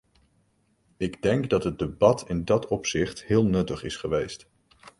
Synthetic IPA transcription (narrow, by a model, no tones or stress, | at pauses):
ɪɡdɛŋɡdɑtɦəd̚dəbɑtʰɪndɑtʰɔpsɪχtɦɪːlˠnɵtəχɪsχəʋejst